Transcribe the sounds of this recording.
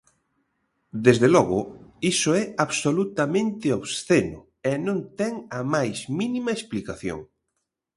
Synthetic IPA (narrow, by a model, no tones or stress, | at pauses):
d̪ezðelɔɣʊisoɛaβsolut̪amẽnt̪ɪoβsθenʊ̰ | ɛnõnt̪ɛŋɐmajzminimɐesplikaθjo̰ŋ